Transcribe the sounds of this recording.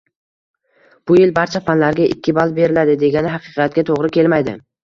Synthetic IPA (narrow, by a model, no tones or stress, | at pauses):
b̥ʊjɪlbaɾt͡ʃʰafanlaɾɡʲaʔɪ̰kʲʰːɪbalˠbe̞ɾɪlad̪ɪd̪e̞ɡʲanɪɦɑqʰɨ̥qʰɑat̪̚kʲat̪ʰoʁɾɪkʲʰe̞lmajd̪ɪ̰